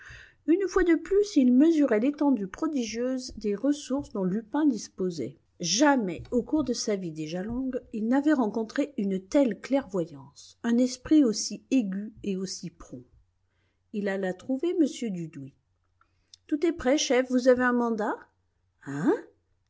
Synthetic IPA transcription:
ynfwad̪əplysilməzyʁɛlet̪ɑ̃d̪ypχɔd̪iʒjøzd̪eʁəsuʁsd̪ɔ̃lypɛ̃d̪ispozɛ̰ | ʒamɛokuʁd̪əsavid̪eʒalɔ̃ɡilnavɛʁɑ̃kɔ̃t̪χeynt̪ɛlklɛʁvwajɑ̃sɛ̃nɛspχiosieɡʲyeosipχɔ̃ | ilalat̪χuveməsjød̪yd̪wi | t̪ut̪ɛpχɛʃɛfvuzaveɛ̃mɑ̃d̪a | ɛ̃

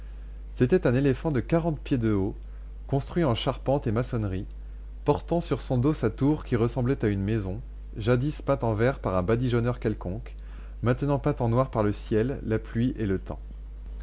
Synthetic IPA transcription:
set̪ɛt̪ɛ̃nelefɑ̃d̪əkaʁɑ̃t̪̚pjed̪əo | kɔ̃st̪χɥiɑ̃ʃaʁpɑ̃t̪emasɔnʁi | pɔʁt̪ɑ̃syʁsɔ̃d̪osat̪uʁkʲiʁəsɑ̃blɛt̪aynmezɔ̃ | ʒad̪ispat̪ɑ̃vɛʁpaʁɛ̃bad̪iʒɔnœʁkʲɛlkɔ̃k | mɛ̃t̪nɑ̃pat̪ɑ̃nwaʁpaʁləsjɛlːaplɥiʔelət̪ɑ̰̃

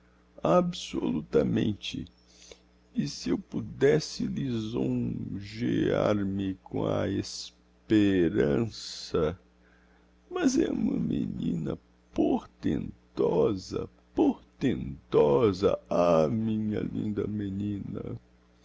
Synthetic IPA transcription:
absolut̪ɐmẽnt͡ʃɪ | ɪsɪewpud̪ɛsɪlizõʒeaɾmɪkõɐes | peɾɐ̃sɐ | mɐzɛũmɐmenĩnɐ | poɾt̪ẽnt̪ɔzɐ | poɾt̪ẽnt̪ɔzɐamĩɲɐlḭ̃nd̪ɐmenĩnɐ

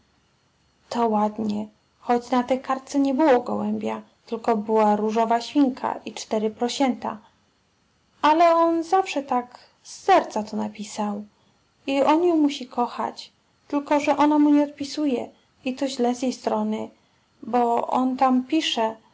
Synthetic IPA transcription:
t̪ɔwad̪ɲɛ | xɔd͡ʑnat̪ɛjkaɾt̪sɛɲɛbɘwɔɡɔwɛmbʲja | t̪ɘlkɔbɘwaɾuʐɔvaɕfʲiŋkʰa̰ʔit͡ʂt̪ɛɾɘpɾɔɕɛnt̪a̰ | ʔalɛɔnzafʂɛt̪ak | sːɛɾt̪sat̪ɔnapʲisaw | iɔnjɔwmuɕikɔxa̰t͡ɕ | t̪ɘlkɔʐɛʔɔnamuɲɛɔt̪̚pʲisujɛ | it̪ɔʑlɛzjejst̪ɾɔnɘ | bɔʔɔ̰nt̪ampʲiʂɛ

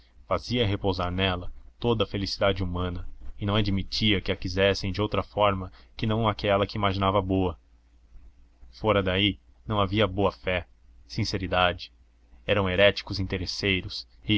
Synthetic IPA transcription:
faziɐɦepowzaɾnɛlɐt̪od̪ɐfelisid̪ad͡ʒɪumɐ̃nɐɪnɐ̃w̃ad͡ʒimit͡ʃiɐkɪɐkizɛsẽj̃d͡ʒɪowt̪ɾɐfɔɾmɐkɪnɐ̃w̃akɛlɐkɪimaʒinavɐboɐ | fɔɾɐd̪ai | nɐ̃w̃aviɐboɐfɛ | sĩseɾid̪ad͡ʒɪ̥ | ɛɾɐ̃w̃eɾɛt͡ʃi̥kʊzĩt̪eɾesejɾʊsɪ

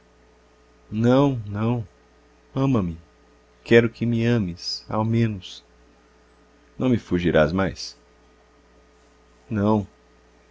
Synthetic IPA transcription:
nɐ̃w̃nɐ̃w̃ | ɐ̃mɐmɪ | kʰɛɾʊkʰɪmɪɐ̃mɪsa̰wmẽnʊs | nɐ̃w̃mɪfuʒiɾa̰zmajs | nɐ̃w̃

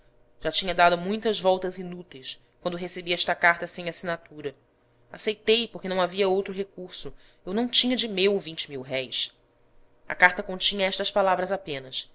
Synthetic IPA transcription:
ʒ̥at͡ʃĩɲɐd̪ad̪ʊmũj̃t̪ɐzvɔwt̪ɐzinut̪ejs | kwɐ̃nd̪ʊɦesebiɐɛʃt̪ɐkaɾt̪ɐsẽj̃asinat̪uɾɐ | asejt̪ejpokenɐ̃w̃aviɐowt̪ɾʊɦekuɾsʊ | ewnɐ̃w̃t͡ʃĩɲɐd͡ʒɪmewvĩnt͡ʃɪmiwɦɛjs | ɐ̰kaɾt̪ɐkõt͡ʃĩɲɐɛʃt̪ɐʃpalavɾɐzapẽnɐs

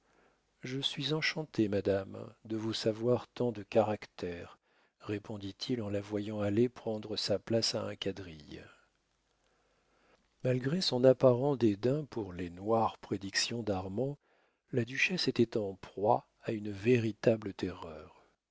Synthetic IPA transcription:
ʒəsɥizɑ̃ʃɑ̃t̪emad̪amd̪əvusavwaʁt̪ɑ̃d̪əkaʁakt̪ʰɛʁː | epʰɔ̃d̪it̪ʰilɑ̃lavwajɑ̃alepχɑ̃d̪ʁəsaplasaɛ̃kad̪ʁḭj | malɡʁesɔ̃napaʁɑ̃d̪ed̪ɛ̃puʁlenwaʁpχed̪iksjɔ̃d̪aʁmɑ̃ | lad̪yʃɛset̪ɛt̪ɑ̃pχwa | aynveʁit̪ablət̪ʰɛʁœːʁ

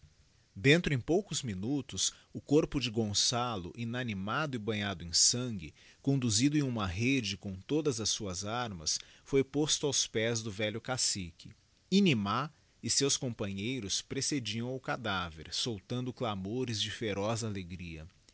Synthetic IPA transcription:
d̪ẽnt̪ɾʊẽj̃powkʊzminut̪ʊs | ʊkoɾpʊd͡ʒɪɡõsalʊ̰ʔinɐnimad̪ʊɪbɐ̃ɲad̪ʊẽsɐ̃ŋɡɪ | kõnd̪uzid̪ʊẽj̃ũmɐɦed͡ʒɪkõw̃t̪od̪ɐzɐsːuɐzaɾmɐs | fojpost̪ʊawspɛzd̪ʊvɛʎʊkasikɪ | inima | ɪsewskõpɐ̃ɲejɾʊspɾesed͡ʒiɐ̃w̃ʊkad̪avḛɾsowt̪ɐ̃nd̪ʊklamoɾɪzd͡ʒɪfeɾɔzaleɡɾiɐ̰

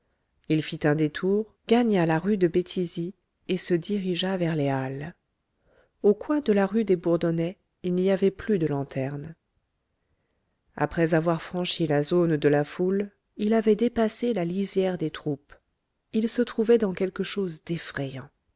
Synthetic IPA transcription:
ilfit̪ɛ̃d̪et̪ʰuʁ | ɡaɲalaʁyd̪əbet̪ʰizi | esəd̪iʁiʒavɛʁleal | okwɛ̃d̪əlaʁyd̪ebuʁd̪ɔnɛ | ilniavɛplyd̪əlɑ̃t̪ʰɛʁn | a̰pχɛzavwaʁfχɑ̃ʃilazond̪əlaful | ilavɛd̪epaselalizjɛʁd̪et̪χup | ilsət̪χuvɛd̪ɑ̃kʲɛlkəʃozd̪ɛfχɛjɑ̃

